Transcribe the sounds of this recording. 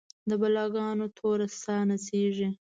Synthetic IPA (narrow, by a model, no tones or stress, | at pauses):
d̪əbalɑɡɑnot̪ʰoɾast̪ɑnaseʐi